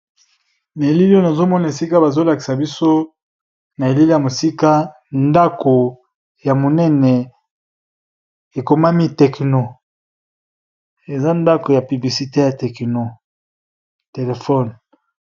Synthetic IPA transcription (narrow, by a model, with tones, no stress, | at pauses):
na˨e˨li˦li˦o˦na˨zo˦mɔ˦na˨e˨si˦ka˦ba˨zo˦la˨ki˨sa˨bi˦so˦ | na˨e˨li˦li˦ja˨mo˨si˦ka˦ | nda˦ko˨ | ja˨mo˨nɛ˦nɛ˨ | e˨ko˨ma˦mi˦tɛ˨kno˨ | e˨za˦nda˦ko˨ja˨py˨bli˨si˨te˦ja˨tɛ˨kno˨ | te˨le˨fɔ˦n